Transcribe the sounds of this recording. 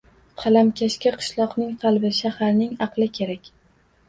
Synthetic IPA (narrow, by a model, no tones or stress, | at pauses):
qʰɑlamkʲʰaʃkʲaqʰɨ̥ʃlˠɒqnɪŋqʰɑlˠbɪʃahaɾnɪŋɑqlˠɪkʲʰe̞ɾakʲ